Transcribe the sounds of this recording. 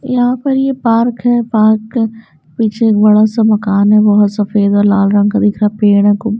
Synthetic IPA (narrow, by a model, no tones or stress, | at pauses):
jɐɦãpɐɾjepaːɾkɦɛpaːɾkː | piːt͡ʃʰeːkbɐɽasamɐkaːnɦɛbɔɦʊt̪sɐfeːd̪ɔːɾla̰ːlɾɐ̃ŋɡkad̪ɪkʰɾaɦɛpeːɽɛ̃ko